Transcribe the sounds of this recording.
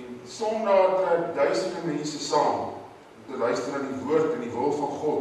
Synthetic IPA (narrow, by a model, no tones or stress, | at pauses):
nsɔndɑːrkədœɥsədəmɛnsəsɑːm | mtəlœɥstənəndivuərtəndivəlˠfɐnχɔt